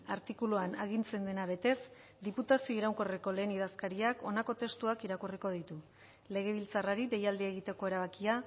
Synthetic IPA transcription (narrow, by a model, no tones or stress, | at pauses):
aɾt̪ikuluanaɣint͡se̞nd̪e̞naβ̞e̞t̪e̞s | d̪iput̪asio̞iɾawŋko̞riko̞le̞ːnið̞askaɾiako̞nako̞t̪e̞st̪uakiɾakuriko̞ð̞it̪u | le̞ɣ̞e̞β̞ilt͡saraɾiðe̞jald̪ieɣ̞it̪e̞ko̞e̞ɾaβ̞akia